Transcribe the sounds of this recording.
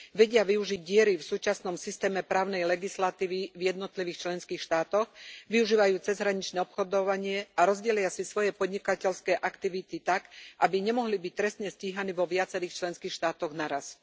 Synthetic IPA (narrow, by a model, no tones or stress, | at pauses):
ʋɛɟɪaʋiuʒiɟ̚ːɪɛɾifsuːt͡ʃasnɔmsist̪ɛːmɛpɾaːʊnɛjlɛɡislat̪iːʋivjɛd̪nɔt̪liʋiːxt͡ʃlɛnskiːxʃt̪aːt̪ɔɣʋiuʒiːʋajuːt͡sɛzɦɾaɲit͡ʃnɛːɔpxɔd̪ɔʋaɲɪɛaɾɔzɟɛlɪasisʋɔjɛpɔd̪ɲikacɛlskɛːʔakt̪iʋit̪it̪akʔabiɲɛmɔɦlibic̚t̪ɾɛst̪ɲɛsciɦaniʋɔʋɪat͡sɛɾiːxt͡ʃlɛnskiːxʃt̪aːt̪ɔɣnaɾas